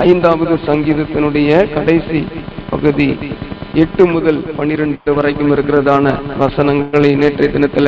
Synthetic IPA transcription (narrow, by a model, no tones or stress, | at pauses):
ɐɪnd̪aːʋɐðɯsɐŋɡiːðɐt̪ːɪnɯɽɐjɐkɐɽɐɪsipɐɣɯði | ɛʈːɯmʊðɐlpɐɳːɪɾɛɳɖɯʋɐrɐɪkːɯmɪɾɯkːɪrɐðaːnɐʋɐsɐnɐŋɡɐɭɐɪneːʈrɐɪd̪ɪnɐt̪ːɪl